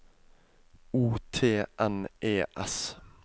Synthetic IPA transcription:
uːt̪ʰeːʔɛnʔeːʔɛs

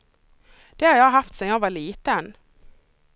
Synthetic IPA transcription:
d̪̥ehɑɾjɑɑhɑft̪sɛnjɑʋɑːliːt̪ən

